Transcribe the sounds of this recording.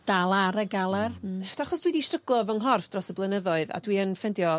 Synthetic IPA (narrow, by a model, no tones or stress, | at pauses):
d̥alˠaɾəɡalˠarʰaχɔsd̥widiʃtrəɡlˠɔvəŋɦɔrfd̥rɔsəblˠənəðɔɨða̰dwiənfɛndjɔ